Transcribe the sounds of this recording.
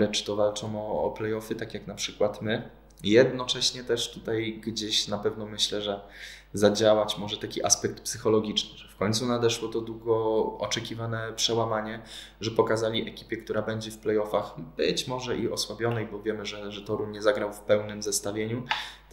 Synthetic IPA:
ɾɛt͡ʂt̪ɔvalt͡ʂɔ̃w̃ɔ̰ːplɛjɔfɘt̪akjaknapʂɘkwat̪mɘ | jɛd̪nɔt͡ʂɛɕɲɛt̪ɛʂt̪ut̪ajɡd͡ʑeɕnapɛvnɔmɘɕlɛʐɛzad͡ʑawat͡ɕmɔʐɛt̪akʲiʔa̰spɛk̚t̪psɘxɔlɔɡʲit͡ʂnɘʐɛfkɔɲt̪sunad̪ɛʂwɔt̪ɔd̪wuɡɔɔt͡ʂɛkʲivanɛpʂɛwamaɲɛ | ʐɛpɔkazalʲiʔɛkʲi̥pʲjɛkt̪uɾabɛɲd͡ʑɛfplɛjɔfaxbɘt͡ɕmɔʐɛʔiɔswabʲjɔnɛjbɔvʲjɛmɘʐɛʐɛt̪ɔɾuɲɛzaɡɾawfpɛwnɘmzɛst̪avʲjeɲu

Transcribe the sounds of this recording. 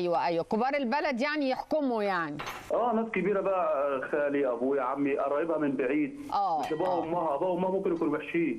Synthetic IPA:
ʔjwæʔæjwækʊbɑːɾˤɪlbælad̪jaʕnijɪħkʊmʊjaʕni | ʔæːnæːskɪbiːɾabæʔxaːlɪjæʔbujʕamːiʔɑɾˤɑːjɪbhæmɪnbɪʕiːd̪̚ʔæːmabæʊmːæhbæʊmːæhmʊmkɪnʔakuːnweħʃfiː

